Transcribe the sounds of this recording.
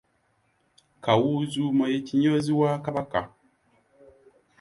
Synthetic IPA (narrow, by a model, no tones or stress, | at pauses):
kawuzumajetiɲoziwaːkabaka̰